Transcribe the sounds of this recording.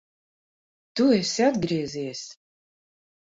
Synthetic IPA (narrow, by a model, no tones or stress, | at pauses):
t̪uɛsʲad̪ɡɾʲiɛzʲiɛsʲ